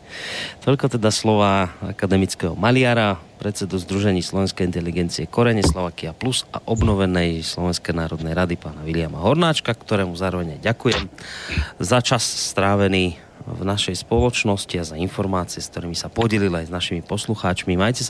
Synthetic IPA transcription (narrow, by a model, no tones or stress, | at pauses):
t̪ɔʎkɔt̪ɛd̪aslɔʋaːa̰kad̪ɛmit͡skɛːɦɔmalɪaːɾapɾɛt̪t͡sɛd̪uzd̪ɾuʒɛɲiːslɔʋɛnskɛjint̪ɛliɡɛnt͡siɛkɔɾɛɲɛslɔʋaːkiapluza̰ʔɔbnɔʋɛnɛjslɔʋɛnskɛnaːɾɔd̪nɛjɾad̪ipaːnaʋilɪama̰ɦɔɾnaːt͡ʃkakt̪ɔɾɛːmuzaːɾɔʋɛɲajɟakujɛm | zat͡ʃasːt̪ɾaːʋɛniː | vnaʃɛjspɔlɔt͡ʃnɔsciazainfɔɾmaːt͡siɛsk̚t̪ɔɾiːmisapɔɟɛlilajznaʃimipɔsluxaːt͡ʃmimajcɛs